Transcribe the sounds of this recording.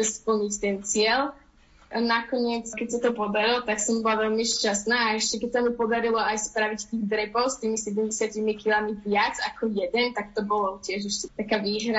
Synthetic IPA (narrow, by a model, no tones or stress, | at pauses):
spl̩ɲict̪ɛnt͡sɪɛl | nakɔɲɪɛt͡skɛcsat̪ɔpɔd̪aɾilt̪aksɔmbɔlaʋɛlmiʃcasnaːɛʃcɛkɛcsamipɔd̪aɾilɔajspɾaʋict̪iːɣd̪ɾɛpɔʊst̪iːmisɛɟɛmɟɛsɪacimikilamiʋɪad͡zakɔjɛd̪ɛnt̪akt̪ɔbɔlɔcɪɛʒɛʃcɛt̪akaːʋiːɦɾa